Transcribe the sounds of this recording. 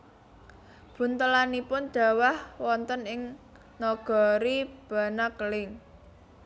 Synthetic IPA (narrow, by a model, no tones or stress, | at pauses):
b̥ṳnt̪əlanipʊnd̥ä̤wahwɔnt̪ənɪŋ | nɔɡ̥ɔ̤ɾib̥ä̤nakəlɪŋ